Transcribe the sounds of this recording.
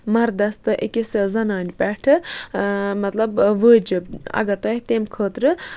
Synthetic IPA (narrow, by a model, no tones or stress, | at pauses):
mɐɾd̪ɐst̪ɨʔekʲisʲɨzɐnaːnʲipʲɛʈʰɨ | mɐt̪lɐbʋəːd͡ʒɨbɐ̰ɡɐt̪ɐht̪emkʰəːt̪ɾɨ